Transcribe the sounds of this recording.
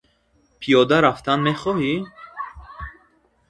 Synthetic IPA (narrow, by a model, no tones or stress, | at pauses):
pʰijɔd̪aɾaft̪ʰanmeχɔhi